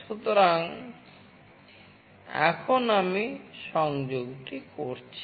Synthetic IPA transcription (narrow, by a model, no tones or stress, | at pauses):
ʃut̪oɾaŋ | ɛ̰kʰonamiʃɔŋd͡ʒoɡʈikoɾt͡ɕʰi